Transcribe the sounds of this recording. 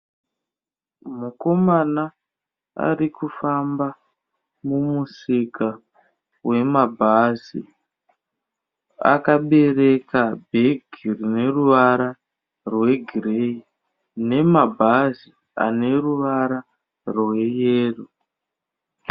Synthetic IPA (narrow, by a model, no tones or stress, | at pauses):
muko̞mana | a̰ɾikufamba | mumusika | we̞mabʱazḭ | a̰kaɓe̞re̞kabʱeɡʱirine̞ruʋaɾa | rwe̞ɡʱirei | ne̞mabʱazi | a̰ne̞ruʋaɾa | rwe̞jeːru